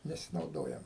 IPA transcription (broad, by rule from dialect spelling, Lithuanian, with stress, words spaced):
nʲɛsʲɪnɐʊˈdoːjɛm